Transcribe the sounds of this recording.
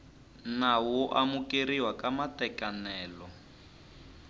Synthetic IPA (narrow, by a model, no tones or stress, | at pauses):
nawʊʔamukeriwakamatɛkanɛːlɔ